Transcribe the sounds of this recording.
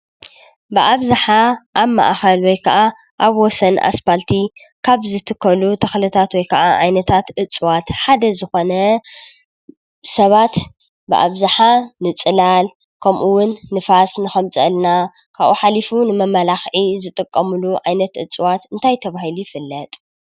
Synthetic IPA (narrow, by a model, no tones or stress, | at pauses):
bɨʔaβzaħaʔaβma̰ʔxɐlwɔjkʰɐʔa | ʔaβwɔsɐnʔa̰spalt̪ʰi | kʰaβzɨt̪ʰɨkʰːɐlut̪ʰɐxlɨt̪ʰat̪wɔjkʰɐʔaʕajnɐt̪ʰat̪ʔɨt͡sʼwat̪ħad̪ɐzɨxo̞nɐ | sɐβat̪ | bɨʔa̰βzaħanɨt͡sʼɨlal | kʰɐmʔuwʊnːɨfasnɨxɐmt͡sʼɐ̰lna | kʰaβʔuħalifunɨmɐmɐlaxʕizɨt̪ʼɨkʼːɐmɨluʕajnɐt̪ʔɨt͡sʼwat̪ɨnt̪ʰajt̪ʰɐβahilujfɨlːɐt̪ʼ